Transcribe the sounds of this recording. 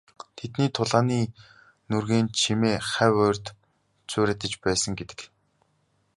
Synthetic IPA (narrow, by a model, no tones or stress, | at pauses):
t̪ʰet̪niːt̪ʰʊɮʁaːniː | nurɣeːnt͡ɕʰimeːχæwʊːrʲt̪ | t͡sʊːɾʲɘ̆t̪ə̆t͡ɕpæːsə̆ŋɡet̪ɘ̥̆k